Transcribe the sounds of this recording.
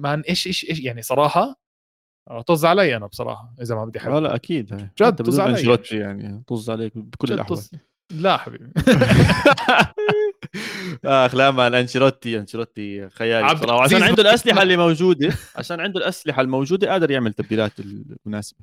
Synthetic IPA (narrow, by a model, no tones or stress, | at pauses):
manʔeːʃʔeːʃʔeːjaʕnisˤɑɾˤɑːħɑ | t̪ɑzˤʕalajʔanabsˤɑ̰ɾˤɑ̰ːħɑʔɪzamabɪd̪iʔħɪbala̰ʔa̰kiːd̪haːjʃt̪ab̪uaʔanʃɾˤɑt̪ːijaʕnit̪ˤozˤːʕaleːkbɪkʊlːɪlʔaħa | laħabḭːbi | ʔaʔaxlaːmalʔanʃiɾˤɑt̪ːiʔanʃiɾˤɑt̪ːixajaːlsˤɑˤɾɑːʕaʃaːnʕɪnd̪ulʔaslɪħalːiːmawd͡ʒuːd̪aʕa̰ʃaːnʕɪnd̪ʊlʔaslɪħalmowd͡ʒuːd̪aʔaːd̪ɪɾˤjɪʕmɪlt̪ab̚d̪iːlaːt̪ɪlmʊnaːsɪ̥ba